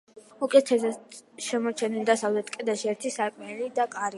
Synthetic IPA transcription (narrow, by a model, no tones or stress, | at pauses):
ukʼɛt̪ʰɛsɛʃɛmɔt͡ʃʰɛnild̪asavlɛt̪kʼɛd̪aʃiɛɾt̪ʰisaɾkʼmɛlid̪akʼaɾi